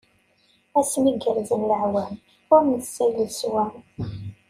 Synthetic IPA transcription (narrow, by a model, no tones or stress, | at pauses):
æsniɡəɾzənləʕwæn | ʊɾməθsæləswæ